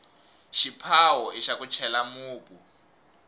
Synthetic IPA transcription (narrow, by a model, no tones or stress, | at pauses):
ʃipʰawɔiʃakut͡ʃʰɛlamuːpʼu